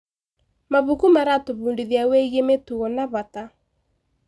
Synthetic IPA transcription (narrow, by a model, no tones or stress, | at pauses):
maβukumaɾatoβuːndiðjaweiɣemetuɣɔnaβata